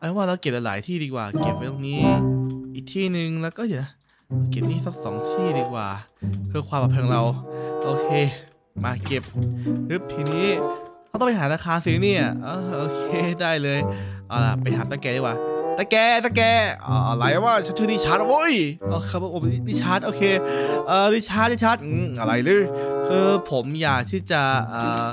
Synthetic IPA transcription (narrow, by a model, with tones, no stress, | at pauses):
ʔa˧˩˧waː˥˩ɾa˧wke˨˩p̚a˧la̰ː˩˦jt̪ʰiː˥˩diː˧kwa̰ː˨˩ke˨˩p̚ːa˧jlo˧˩ŋ̚niː˦˥ʔiː˨˩k̚t̪ʰiː˥˩nɯ˨ŋlɛ˦˥wkɔː˥˩jiː˨˩na˦˥˩ | la˧wke˨˩p̚niː˥˩sa˦˥p̚sɔ̰ː˩˦ŋt̪ʰiː˥˩diː˧˩kwa̰ː˨˩kʰɯː˧kʰwaː˧mʔa˨˧˩pʰɯː˧ŋɾa˧wʔoː˧kʰeː˧ | maː˧ke˨˩p̚hɯ˦˥˩p̚t̪ʰiː˧niː˦˥a˧˦w̪ɔː˥˩˧pa˧ɦaː˩˦ɾaː˧kʰaː˧nsiː˧˦niː˥˩ɐʔɔː˧˩ʔoː˧kʰeː˧daː˥˩jlɤː˧jʔa˧˩la̰˧˩pa˧jt̪ʰaː˨˦nt̪a˧˩kɛː˧di˧˩kwaː˨˩t̪aː˧˩kɛː˧t̪aː˧˩kɛ̰ː˧˩ʔla˧˩ja˧˩waː˥˩t͡ɕʰa˦˥ɯ˥˧˨niː˧˥˩t͡ɕʰa˦˥t̪̚o˦˥jʔoː˧kʰːpɔ˧˩pʰo˨˦i˧˩diː˥˩t͡ɕʰa˦˥t̪̚ʔoː˧kʰeː˧ʔəː˨˩diː˧˥˩t͡ɕʰa˦˥t̪̚di˥˩t͡ɕʰa˦˥t̪̚ʔɯ˧˩ʔa˧ɾa˧jlɯː˧˥˩kʰɯː˧pʰo˩˦mjaː˨˩k̚t̪ʰiː˥˩t͡ɕa˨˩ʔəː˨˩